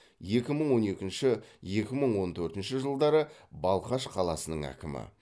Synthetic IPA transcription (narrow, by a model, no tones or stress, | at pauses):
je̞kʲɪməɴwo̞ne̞kʲɪnʃɪje̞kʲɪməɴwo̞nt̪ʰɵɾt̪ɪnʃɪʒəlˠd̪ɑɾəbɑlˠqɑʃqʰɑlˠɑsənəɴæ̰kʲɪmɪ̰